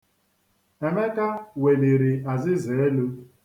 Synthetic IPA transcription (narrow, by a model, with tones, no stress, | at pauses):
e˨me˦ka˦we˨de˨ɾi˨a˨zɪ˦ze˨e˦lo˦